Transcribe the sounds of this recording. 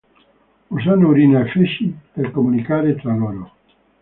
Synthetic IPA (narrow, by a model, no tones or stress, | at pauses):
uzanouɾinafeʃipeɾkomunikaːɾet̪ɾaloɾo